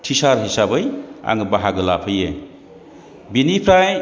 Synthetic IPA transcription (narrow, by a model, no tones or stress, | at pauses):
tʰisaɾɦisabɯja̰ŋɯbaɦaɡɯlapʰɯje | binipʰɾaj